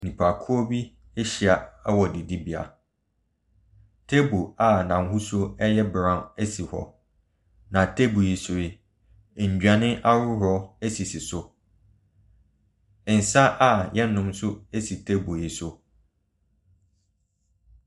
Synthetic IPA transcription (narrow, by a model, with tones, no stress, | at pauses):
nĩ˨pʰa˨kʰu˦ɔ˦bi˦ | e˦ɕi˨a˨ɛ˦wɔ˨di˨di˦bi˨a̰˨ | tʰe˦bo˨a˨nã˨˦hʊ˦sʊ˦ɛ˦jɛ˦bɾã˦ne˦si˨hɔ̰˨ | nã˨tʰe˦bo˨je˨sʊ˨ɪ˨ | ɲ̩˨d͡ʑᶣa˨nɪ̃˦ʔa˦ɾʊ˦ɦɔ˦e˦si˨si˨sʊ˦˨ | n̩˨sa˦ʔa˨jɛ˦nː˦ʊ̃˦msʊ˦e˦si˨tʰe˦bo˨jɪ˨sʊ˦